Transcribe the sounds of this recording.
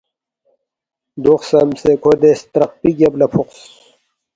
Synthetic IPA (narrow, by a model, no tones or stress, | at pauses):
d̪uxsɐmsekʰod̪est̪ɾɐq̚piɡɐblɐpʰuqs